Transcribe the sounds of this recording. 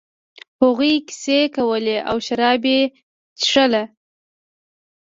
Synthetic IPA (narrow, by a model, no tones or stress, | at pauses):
hʊɣujki̥sekawəleʔa̰wʃaɾɑbe | t͡ʃʂəla